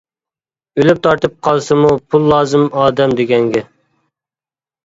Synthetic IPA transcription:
ølyp̚t̪ʰɑɾt̪ʰɨp̚qʰɑlˠsɨmupʰulˠːɑːzɨmɑːd̪ɛmd̪eɡʲɛŋɡʲɛ

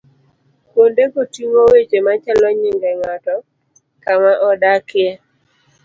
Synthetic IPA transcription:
kwondekotiŋowet͡ʃemat͡ʃalɔɲiŋɡɛŋatɔ | kamaʔɔdakɪɛ

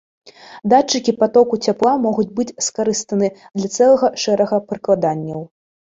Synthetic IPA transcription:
d̪at͡ʂːɨkʲipat̪ɔkut͡sʲaplˠamɔɣud͡zʲbɨd͡zʲskaɾɨst̪ɐnɨd̪lʲɐt̪sɛlˠɐɣɐʂɛɾɐɣɐpɾɨklˠad̪anʲːɐw

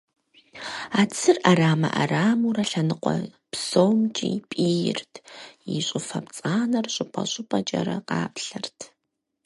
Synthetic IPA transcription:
aːt͡sʰɨrʔaraːmɐʔa̰raːmuɾɐɬɐnɨqʷɔ | psowmt͡ʃʼipʼiːjɪ̰rtʰjiɕʼɪfɐpt͡sʼaːnɐrɕʼɪpʼɐɕʼɪpʼɐt͡ʃʼɐ̰ɾɐqɑːpɬɐrtʰ

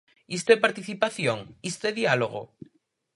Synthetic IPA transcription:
ist̪epaɾt̪iθipaθjoŋist̪eðialoɣ̞o̰

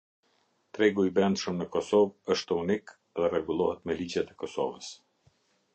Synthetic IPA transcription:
t̪ɾɛɡuibɾɛnd̪ʃəmnəkɔsɔvəʃt̪əunik | ðɛrɛɡulˠɔhət̪mɛlid͡ʑɛt̪ɛkɔsɔ̰vəs

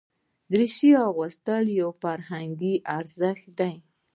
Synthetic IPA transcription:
d̪ɾiʃiawɣʊst̪əljawfaɾhaŋɡiʔaɾzəxt̪̚d̪aj

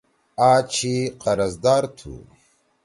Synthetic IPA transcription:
aːt͡ʃʰiqɐɾɐzd̪aːɾt̪ʰṵ

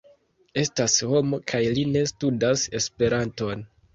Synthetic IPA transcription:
e̞stasho̞mo̞kʰajline̞studase̞spe̞ɾanto̞n

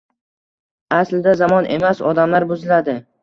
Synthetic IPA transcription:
aslɪd̪azamɒnʔe̞̰masɒd̪amlaɾbozɪlad̪ɪ

